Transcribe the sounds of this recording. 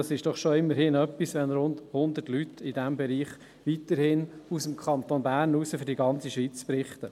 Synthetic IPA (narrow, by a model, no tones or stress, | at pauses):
ɑsɪʃd̥ɔχʃoɪmːəɾhɪnœpːisʋɛnɾʊndhʊnd̪ətlytʰɪdæmbɛɾiːχ | ʋitəɾhɪnusəmkʰχɑnt̪onbæːrnuːsəfʏɾdiɡɑnt͡siʃʋiːt͡sprɪχt̪ə